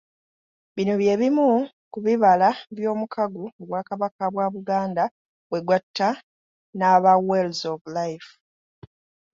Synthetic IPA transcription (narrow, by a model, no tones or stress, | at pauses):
βino̞βje̞ːβimu | kuβiβalaβjo̞ːmukʰaɡuoβwaːkaβakaβwaːβuɡaːnda | βwe̞ɡwatʰːa | naβawelzovlajf